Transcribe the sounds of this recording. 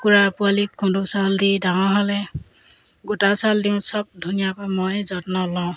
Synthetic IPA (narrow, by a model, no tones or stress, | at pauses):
kuɹapualikʰːundusaldidaŋɔɦɔlɛ | ɡutasaldimsɔb̚dʱunijapamɔjzɔtnɔlɔ̃ʊ̃